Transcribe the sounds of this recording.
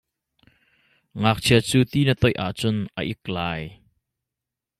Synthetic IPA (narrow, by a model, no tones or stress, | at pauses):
ŋaːk̚t͡sʰiət͡suːt̪iːnət̪ɔjʔa̰ʔt͡sʊnʔə̰ʔɪk̚laːj